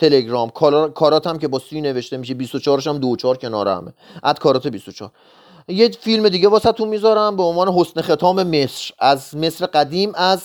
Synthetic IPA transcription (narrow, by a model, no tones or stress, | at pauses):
t̪ʰe̞le̞ɡɾɒːmkʰːkʰɒːɾɒːt̪ʰæmcʰe̞bɒːsiːne̞ve̞ʃt̪e̞miʃebist̪ot͡ʃʰɒːɾeʃæmd̪ot͡ʃʰɒːɾcʰʲe̞nɒ̰ːɾḛæ̰mḛʔæzkʰɒːɾɒːt̪e̞bist̪ot͡ʃʰɒ̰ːɾ | jefilme̞d̪iːɟevɒːsæt̪ʰunmiːzɒːɾæmbeo̞nvɒːne̞ɦo̞snexe̞t̪ʰɒːme̞me̞sɾæzme̞sɾeɢæd̪iːmæz